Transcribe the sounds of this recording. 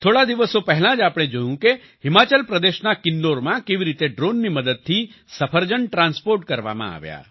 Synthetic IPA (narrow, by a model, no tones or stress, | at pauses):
t̪ʰoɽad̪iʋəsopɛɦlãd͡ʒapɽ̃ed͡ʒojũke | ɦimat͡ʃəlpɾəd̪eʃnakɪnɖoɾmãkeʋiɾit̪eɖɾonːiməd̪əd̪̚t̪ʰi | səpʰəɾd͡ʒəɳʈɾãnspoɾʈkəɾʋa̰mã̰a̰ʋja̰